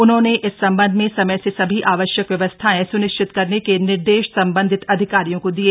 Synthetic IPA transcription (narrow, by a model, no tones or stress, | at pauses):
ʊnɦõneʔɪsːɐ̃mbə̃nd̪ʱmẽsɐməjsesɐbʱiʔaːʋəʃjəkʋjɐʋəst̪ʰaɛ̃sʊnɪʃt͡ʃʰɪt̪kɐɾnekenɪɾd̪eːʃsɐ̃mbə̃nd̪ʱɪt̪ɐd̪ʱɪkaːɾijõkod̪ie